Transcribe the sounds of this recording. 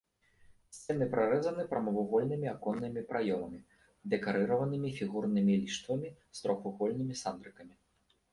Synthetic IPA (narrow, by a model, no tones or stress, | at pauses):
sʲt͡sʲɛnɨpɾaɾɛzɐnɨpɾɐmɐvuɣɔlʲnɨmʲiakɔnːɨmʲipɾʔajɔmɐmʲi | d̪ɛkaɾɨɾɐvɐnɨmʲifʲiɣurnɨmʲilʲiʂt̪vɐmʲist̪ɾɔxuɣɔlʲnɨmʲisand̪ɾɨkɐmʲi